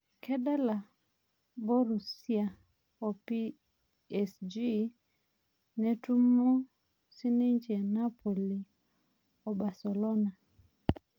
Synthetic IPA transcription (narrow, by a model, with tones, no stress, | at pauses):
kɛ˦dɛ˦la˨ | bɔ˦ɾu˨si˦a˨ | o˨pi˦ | ɛ˨sd͡ʒi˦ | ne˦tu˦mo˦ | si˦ni˦ɲt͡ʃɛ˨na˦pʰo˨li˨ | o˨ba˨se˨lo˦na˨